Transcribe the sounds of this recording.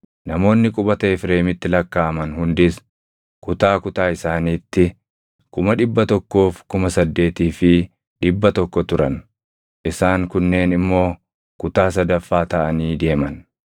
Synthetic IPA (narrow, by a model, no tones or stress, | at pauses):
nɐmo̞ːnːɪkʼʊbɐt̪ɐɪfɾeːmɪt̪ːɪlɐkːaːɐmɐnhʊnd̪ɪs | kʊt̪aːkʊt̪aːɪsaːniːt̪ːɪ | kʊmɐᶑɪbːɐt̪ɔkːo̞ːfkʊmɐsɐd̪ːe̞ːt̪iːfɪ | ᶑɪbːɐt̪ɔkːɔt̪ʊɾɐn | ʔɪsaːŋkʊnːe̞ːnɪmːo̞ː | kʊt̪aːs̬ɐd̪ɐfːaːt̪ɐʔɐniːd̪e̞ːmɐn